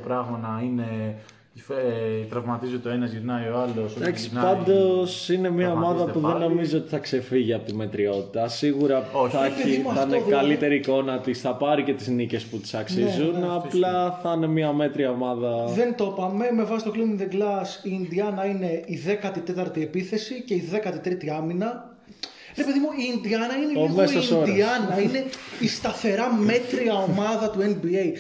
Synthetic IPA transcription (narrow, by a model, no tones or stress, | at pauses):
pɾɐɣmɐnɐine̞ | ft̪ɾɐvmɐt̪izt̪oe̞nɐzʝiɾnɐjo̞ɐlosod̪ɐksi̥pɐnd̪o̞sine̞mɲɐomɐðɐpuðenːo̞mizoot̪i̥θɐkse̞fiʝiɐpo̞t̪ime̞t̪ɾio̞t̪i̥t̪ɐsiɣuɾɐoθɐθɐnekɐlit̪e̞ɾiːko̞nɐt̪isθɐpɐɾice̞t̪iznice̞sput̪i̥sɐkssizzunnɐplɐθɐne̞mɐme̞t̪ɾiɐomɐðɐðe̞nt̪o̞pɐme̞me̞vɐsist̪oliminðeɡlɐsiːnd̪iɐnɐine̞iðe̞kɐt̪it̪e̞t̪ɐɾt̪iepiθe̞sice̞iðe̞kɐt̪it̪ɾit̪iɐminɐ | ɾepe̞ðimuind̪iɐnɐineimosɐsd̪iɐnɐine̞ist̪ɐθe̞ɾɐme̞t̪ɾiɐo̞mɐðɐt̪uenbiej